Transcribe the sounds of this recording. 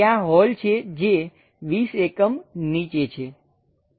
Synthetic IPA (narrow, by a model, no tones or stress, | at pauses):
ãɦɔlt͡ʃʰed͡ʒe | ʋisekəmnit͡ʃet͡ʃʰe